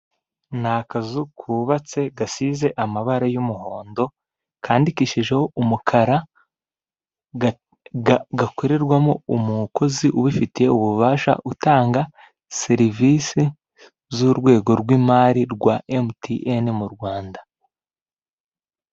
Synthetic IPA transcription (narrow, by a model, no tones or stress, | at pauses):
nakazukʰuːβat͡se̞ɡasize̞ʔamaβaɾajumuho̞ːndo̞ | kʰaːndikiʃiʒe̞ho̞umukʰaɾa | ɡakoɾeɾɡwamoumukʰo̞ziʔuβifitije̞uβuβaːʃa̰ʔutaːŋɡa | se̞ɾivisi | zuɾɡwe̞ːɡo̞ɾɡwimaɾiɾɡwaʔemtʰiʔenmuɾɡwaːnda